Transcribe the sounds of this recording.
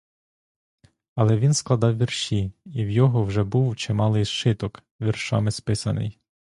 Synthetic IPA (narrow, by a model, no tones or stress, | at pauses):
ɐlˠɛʋʲinsklˠɐd̪ɑwʋʲirʃʲiiwjɔɦɔwʒɛbuwt͡ʃɪmɑlˠɪjʃɪt̪ɔk | ʋʲirʃɑ̰mɪspɪsɐnɪ̰j